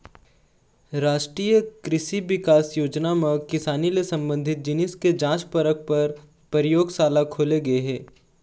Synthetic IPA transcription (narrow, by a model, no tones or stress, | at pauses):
ɾaːʃʈɾiːjəkɾɪʃiʋɪkaːsjoːd͡ʒnamə̃kɪsaːnilesɐ̃mbə̃nd̪ʱɪt̪̚d͡ʒɪnɪsked͡ʒãːt͡ʃpəɾək̚pɐɾ | pəɾɪjoːɡsaːlakʰoːleɡɐeɦɛː